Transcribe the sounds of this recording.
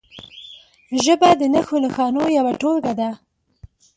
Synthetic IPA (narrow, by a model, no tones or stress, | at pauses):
ʒəbad̪ənaxoləxɑnojawaʈolɡad̪a